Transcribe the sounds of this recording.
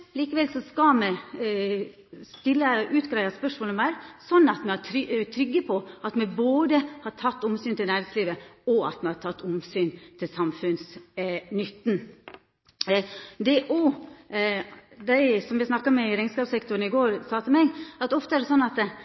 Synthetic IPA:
liːkəʋɛlsɔskɑmɛ | st̪ɪlːəʉːt̪ɡɾæɪʋɑspœʂmoːləmæɪɾsɔnːɑt̪mɛhɑʈʰɾt̪ʰɾʏɡːəpʰɔɑt̪mɛboːd̪əhɑʈʰɑt̪ːʊmsyːnt̪ʰɪlnæːɾɪŋsliːʋəɔɑ̰t̪mɛhɑtʰɑt̪ːʊmsyːnt̪ʰɪlsɑmfʉnsnʏt̪ːn | d̪ɛʔo | d̪æɪsɔmjæsnɑkːɑmɛɪɾɛŋskɑːpsɛkt̪ʊɾn̩ɪɡoːɾsɑːt̪ɪmɛɪɡɑt̪ɔft̪əæɖɛsɔnːɑt̪

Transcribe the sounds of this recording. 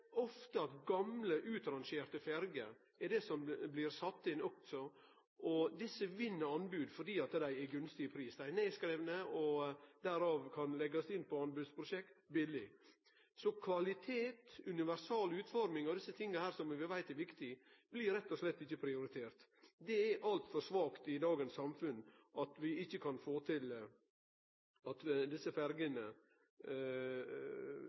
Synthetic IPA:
ɔft̪əɑt̪ɡɑmləʔʉːt̪ɾɑnʃeːɾt̪əfɛɾɡə̰ | ɛɖɛsɔmblɪɾsɑt̪ːɪnɔksɔ | ʔɔd̪ɪsːəʋɪnːəɾɑnbʉːd̪fɔɖiːɑt̪d̪æɪɛɾɡʉnst̪ɪəpʰɾiːsd̪æɪneːskɾeːʋnəɔd̪æɾɑːʋkʰɑnlɛɡɑsɪnːpʰɔɑnbʉːd̪spʰɾʊʃɛkt̪bɪlɪ | sɔkʰʋɑlɪt̪ʰeːt̪ʉnɪʋæɾsɑːlʉːt̪fɔɾmɪŋɔd̪ɪsːət̪ʰɪŋːəhæːɾsɔmʋɪʋæɪt̪ɛɾʋɪkt̪ɪb̥lɪɾɛt̪ːɔʂlɛt̪ːɪçːəpʰɾɪʊɾɪt̪ʰeːɾt̪d̪ɛæʔɑlt̪fɔɾʂʋɑːkt̪ɪd̪ɑːɡənsɑmfʉnʔɑt̪ʋɪɪçːəkʰɑnfoːt̪ʰɪl | ɑt̪d̪ɪsːəfæɾɡənə

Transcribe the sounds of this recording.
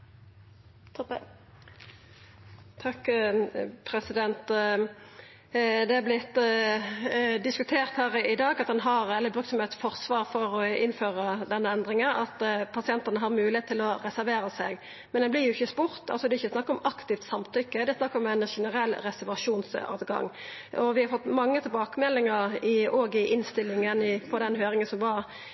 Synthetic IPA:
t̪ʰ | t̪ʰɑkː | pʰɾɛsɪd̪ɛnt̪ | d̪ɛæblɪt̪ː | d̪ɪskʉt̪ʰeːʁt̪hæːɾɪd̪ɑːɡɑt̪̚d̪ɛnɦɑɾɛlːəbɾʉːk̪sɔmɛt̪sfɔʁsʋɑːʁfɔʁɔɪnføːʁəd̪ɛnːəɛnd̪ʁɪŋəɑt̪pʰɑsɪɛnt̪ɑnəɦɑɾmʉːlɪheːt̪ʰːɪlɔʁɛsæɾʋeːɾəsɛɡ | mɛnd̪ɛnblɪʁjʊɪçːəspʊɾt̪ɑlsɔd̪ɛɪçːəsnɑkːəɾɔmɑkt̪ɪft̪sɑmt̪ʰʏkːəd̪ɛsnɑkːɾɔmæɪnʂɛnəɾɛlːɾɛsæɾʋɑʂuːnsɑ̰ːʋɡɑ̰ŋ | ʔɔʋɪhɑɾfɔt̪ːmɑŋːət̪ʰɪlbɑːkəmɛlːɪŋəɾɪoːɡɪʔɪnst̪ɪlːɪŋənɪpʰɔd̪ɛnɦøːɾɪŋənsɔmʋɑɾ

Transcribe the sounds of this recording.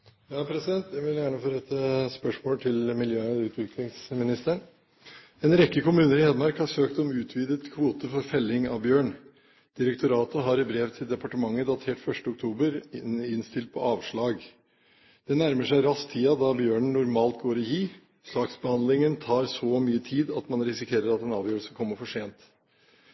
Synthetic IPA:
jɑːpʰɾɛsɪd̪ɛnt̪̚d̪ɛʋɪljæːɳəfɔɾɛt̪əspœʂmoːlt̪ʰɪlmɪljøːʉːt̪ʰʋɪklɪŋsmɪnɪst̪əɳ | ɛnɾɛkːəkʊmʉːnəɾɪɛːd̪əmɑɾkhɑɾʂøːkt̪ɔmʉːt̪ʰʋiːd̪ət̪kʰʋuːt̪əfɔɾfɛlːɪŋɑ̰ʋbjøːɳ | d̪̥ɪɾɛkt̪ʰʊɾɑːt̪ʊɦɑɾɪbɾeʋt̪ʰɪld̪ɛpɑʈəmɑŋːəd̪ɑt̪ʰeːʈfœʂʈəʊkt̪ʰuːbəɾɪnst̪ɪlt̪̚pʰɔɑːʋʂɭɑːɡ | d̪̥ɛnæɾməʂæɪɾɑst̪ʰːiːɑd̪ɑbjøːɳnʊɾmɑːlt̪ɡoːɾɔjiː | slɑːɡsbəhɑnd̪lɪŋənt̪ʰɑːɾsɔmyːət̪ʰiːd̪ɑt̪mɑnɾɪsɪkʰeːɾəɾɑt̪ɛnɑːʋjøːɾəlsəkʰɔmːəɾfɔʂeːnt̪

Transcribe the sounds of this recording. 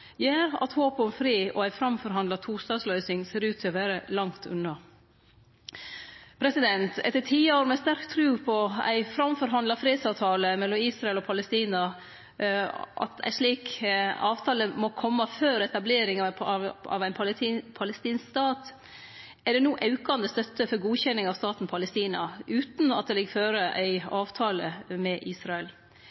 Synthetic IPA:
jæːɾɑ̰t̪hoːpɔmfɾiːɔæɪfɾɑmfɔɾɦɑnd̪lɑt̪ʰuːst̪ɑːd̪slœʏsɪŋseːɾʉːt̪ʰːɪɔʋæːɾəlɑŋt̪ʰʉ̰nːɑ | pʰɾɛsɪd̪ɛnt̪ɛt̪ːəʈʰiːoːɾmɛst̪æɾkt̪ʰɾʉːpʰɔæ̰ɪfɾɑmfɔɾɦɑnd̪lɑfɾeːd̪sɑːʋt̪ʰɑːləmɛlːɔmiːsɾɑɛlɔpʰɑləst̪iːnɑ | ʔɑ̰t̪æ̰ɪʂɭiːkɑːʋt̪ʰɑːləmɔkʰɔmːɑføːɾɛt̪ɑbleːɾɪŋɑɑ̰ʋæɪnpʰːpʰɑləst̪iːnskst̪ɑːt̪ | æɖɛnuːʔɑʉkɑnd̪əst̪œt̪ːəfɔɾɡuːçɛnːɪŋɑʋst̪ɑːt̪n̩pʰɑləst̪iːnɑʉːt̪nɑ̰t̪̚d̪ɛlɛɡføːɾəʔæɪɑːʋt̪ʰɑːlə̰mɛʔiːsɾɑɛl

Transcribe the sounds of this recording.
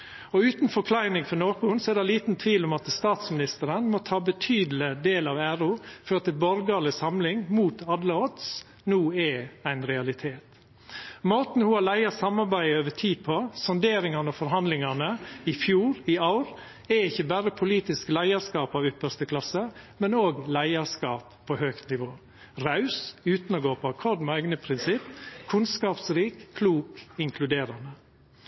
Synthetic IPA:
ɔʉːt̪nfɔɾkʰlæɪnɪŋfɔɳoːkəʊnsɔɛd̪ɛliːt̪n̩t̪ʰʋiːlʊmɑt̪st̪ɑːt̪smɪnɪst̪əɾənmɔt̪ʰɑːbət̪ʰyːd̪l̩ɪd̪eːlɑʋæɾʊføːt̪əlbɔɾɡɑlɪsɑmlɪŋmuːt̪ɑd̪ləɔt̪s | nuːɛæɪnɾɛɑlɪt̪ʰeːt̪ | moːt̪n̩hʊɑlæɪɑsɑmɑɾbæɪəøːʋəʈʰiːpʰɔsɔnd̪eːɾɪŋɑnəɔfɔɾɦɑnd̪lɪŋɑnəɪfjuːɾɪɑʊɾ | ɛɪçːəbæɾəpʰʊliːt̪ɪsklæɪɑɾskɑːpɑʋʏpːəʂt̪əkʰlɑsəmɛnoːɡlæɪɑskɑːpʰːɔhøːkt̪nɪʋoː | ɾɑʉsʉːt̪nɔɡoːpʰɔɑkʰɔɾd̪mɛæʏɡnəpʰɾɪnsɪpːkʰʉnskɑːpsɾiːkʰːluːkɪŋkʰlʉd̪eːɾɑnə

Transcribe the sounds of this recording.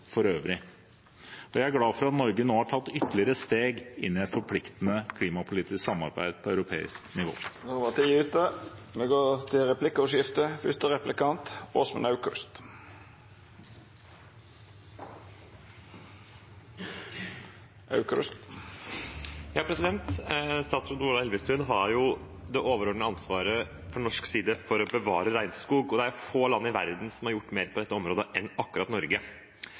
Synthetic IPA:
fɔɾøːʋɾɪ | ɔjæɪæɾɡlɑːfɔɾɑt̪nɔɾɡənoːhɑʈʰɑt̪ːʏt̪ːlɪəɾəst̪eːɡɪ̰nːɪɛt̪fɔɾpʰlɪkt̪ənəkʰliːmɑpʰʊliːt̪ɪsksɑmɑ̰ɾbæ̰ɪd̪̥̚pʰɔœʉɾʊpʰḛːɪ̰sknɪʋo̰ːnoʋɑt̪ʰiʉːt̪əmɛɡoːt̪ʰɪlɾɛpʰlɪkːɔʂɪft̪əfʏst̪əʁɛplɪkɑnt̪oːsmə̰nɑʉkʉ̰st̪ | ɑʉkst̪ | jɑːpʰɾɛsɪd̪ɛnt̪st̪ɑːt̪sɾʊd̪uːlɑɛlʋəst̪ʉnɦɑɾjʊ | d̪ɛʔoːʋəɾɔɖnəɑnsʋɑːɾə | fɔɳɔʂksiːd̪əfɔɾɔbəʋɑːɾəɾæɪnskuːɡɔd̪ɛæɾjʊfoːlɑnːɪʋæɾd̪n̩sɔmhɑɾjʊʈːmeːɾpʰɔd̪ɛt̪ːəɔmɾoːd̪əʔɛnɑkːʉɾɑt̪nɔɾɡə

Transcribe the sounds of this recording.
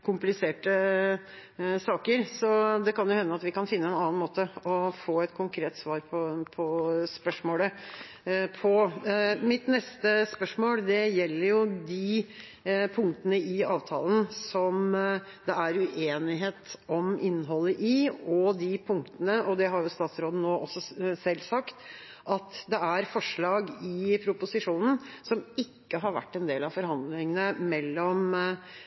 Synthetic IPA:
kʰʊmplɪseːʈə | sɑːkəɾsɔd̪ɛkɑnjʊhɛnːəɑt̪ʋɪkɑnfɪnːəɛnɑːɑnmoːt̪əɔfoːɛt̪kʰʊŋkʰɾeːt̪sʋɑːɾpʰɔpʰɔspœʂmoːlə | pʰɔmɪt̪nɛst̪əspœʂmoːld̪ɛjɛlːəɾjʊd̪ɪ | pʰʊŋkt̪ənəɪɑːʋt̪ʰɑ̰ːlənsɔm | d̪ɛæɾʉʔeːnɪɦeːt̪ɔmɪnːɦɔlːəʔɪɔd̪ɪpʰʊŋkt̪ənəʔɔd̪ɛɦɑɾjʊst̪ɑːt̪sɾoːd̪n̩oːʔɔsːɔsɛlːsɑkt̪ | ɑt̪d̪ɛæɾfɔʂɭɑːɡɪpʰɾʊpʊsɪʂuːnn̩sɔmɪkːəɦɑɾʋæ̰ʈːɛnd̪eːlɑʋfɔɾhɑnd̪lɪŋənəmɛlːɔm

